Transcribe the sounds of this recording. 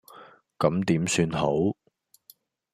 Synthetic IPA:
kɐ˨˥mt̪iː˨˥msyː˧nho˨˥w

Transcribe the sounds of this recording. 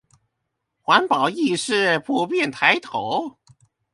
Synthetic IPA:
xwa˧˥npɑ˨˩ʊi˥˧ʂɻ̩˥˩pʰu˥˧pjɛ˥˩nt̪ʰa˧˥ɪt̪ʰo˨˧˥ʊ

